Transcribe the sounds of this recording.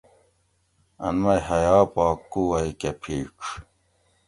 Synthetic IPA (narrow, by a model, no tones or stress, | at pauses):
ɐ̰nmɐjhɐjaːpaːkːuwɐikepʰiːʈ͡ʂʰ